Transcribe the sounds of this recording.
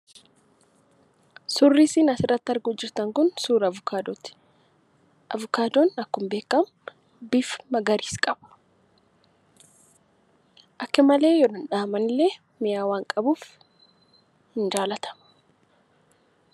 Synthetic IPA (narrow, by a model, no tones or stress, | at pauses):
sʊrːiːsiːnɐsɪrːɐt̪ːɐɾɡuːd͡ʒɪɾt̪ɐŋkʊnsuːɾɐʊkʰad̪ot̪ɪ̥ | ʔɐ̰vʊkaːd̪onɐkːʊmbe̞ːkːɐmʊ | bɪfmɐɡɐɾiːskʼɐbɐ̥ | ʔɐkːɐmɐle̞ːjɔd̪ɐnᶑaːmɐnɪlːeː | mɪjaːwaːŋkʼɐbuːf | hɪnd͡ʒaːlɐt̪ʰɐ̥mɐ̥